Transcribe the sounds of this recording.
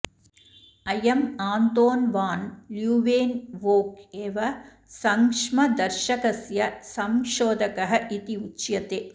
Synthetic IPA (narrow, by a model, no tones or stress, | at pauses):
ɐjɐmaːnt̪oːnʋaːnljuːʋeːnʋoːkeːʋɐ | sɐŋkʂmɐd̪ɐɾʃɐkɐsjɐsɐmʃoːd̪ɐkɐɦɐʔit̪iutːt͡ʃjɐt̪eː